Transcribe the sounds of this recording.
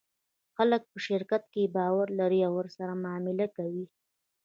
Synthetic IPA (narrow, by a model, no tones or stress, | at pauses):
xalək̚pəʃɪɾkat̪kebɑwaɾlaɾiawːəɾsaɾamɑmɪlakawi